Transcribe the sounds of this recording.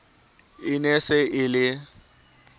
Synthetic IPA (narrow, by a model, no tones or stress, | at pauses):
ɪnɛsɛʔɪlɪ